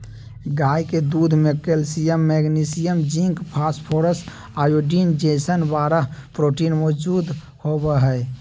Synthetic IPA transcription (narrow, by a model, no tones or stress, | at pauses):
ɡaiked̪ud̪ʱmekelsijəmːeɡnisijəmd͡ʒiŋkpʰaspʰoɾəs | ajoɖind͡ʒesənbaɾəɦpɾoʈinmɔd͡ʒud̪ | hobəɦəe